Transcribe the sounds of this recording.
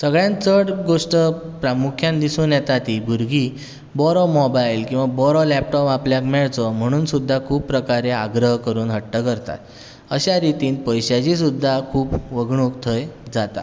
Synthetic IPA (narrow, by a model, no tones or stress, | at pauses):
səɡɭjãnt͡səɽɡoʂʈəpɾamukʰjãnd̪isũnjɛt̪at̪iːɡʱuɾɡiː | bɔɾɔmɔbajlkĩw̃ʋabɔɾɔlɛp̚ʈɔpapljakmɛɭt͡sɔm̤əɽ̃uːnsud̪ʱːakʰuːpːɾəkaɾeaɡɾəɦkəɾuːnɦəʈːəkəɾt̪a̰t̪ | əɕaɾit̪iːnpəjɕjat͡ɕis̬ud̪ʱːakʰuːpʋəɡɳukt̪ʰəjd͡zat̪a̰